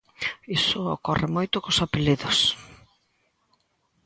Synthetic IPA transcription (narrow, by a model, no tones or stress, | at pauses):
isʊokɔrɪmojt̪ʊkosapeliðos